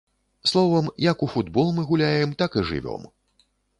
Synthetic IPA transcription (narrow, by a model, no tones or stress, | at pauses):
slˠɔvɐmjɐkufud̪bɔlˠmɨɣulʲajɛmt̪akɨʐɨ̰vʲɔ̰m